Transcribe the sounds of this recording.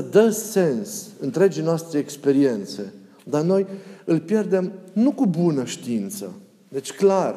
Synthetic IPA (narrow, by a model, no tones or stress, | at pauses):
əd̪əse̞nsɨnt̪ɾe̞d͡ʒinoast̪ɾeekspe̞ɾie̞nt̪se̞ | d̪ano̞jɨlpje̞rd̪e̞mnukubunəʃt̪iint̪sə̰ | d̪e̞t͡ʃʲklar